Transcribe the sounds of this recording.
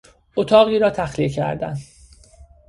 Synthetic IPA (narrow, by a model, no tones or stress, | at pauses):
ot̪ʰɒːɣiːɾɒːt̪ʰæxliecʰæ̰ɾd̪æ̰n